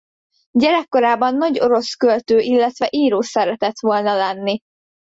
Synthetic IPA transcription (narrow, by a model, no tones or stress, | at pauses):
ɟɛɾɛkːo̞ɾaːbɒnːɒɟo̞ɾo̞skølt̪øːʔilːɛt̪ʋɛʔiːɾoːsɛɾɛt̪ɛt̪ʋo̞lnɒlɛnːi